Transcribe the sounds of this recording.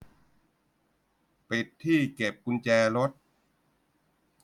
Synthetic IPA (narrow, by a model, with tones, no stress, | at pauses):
pe˨˩t̪ʰːiː˥˩ke˨˩p̚ku˧nt͡ɕɛː˧ɾo˦˥t̪̚